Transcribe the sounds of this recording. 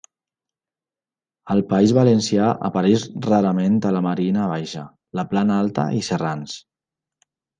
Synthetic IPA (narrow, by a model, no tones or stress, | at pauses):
əlˠpaizβalənsjaʔə̰paɾɛʃraɾəment̪ələməɾinəːβ̞ajʃə̰ | ləplanalˠt̪ə̰ʔisərans